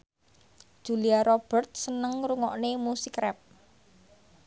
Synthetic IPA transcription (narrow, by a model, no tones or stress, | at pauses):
d̥ʒ̥uliaɾob̥ərt̪̚sənəŋruŋɔ̰ʔnemusikɾɛp̚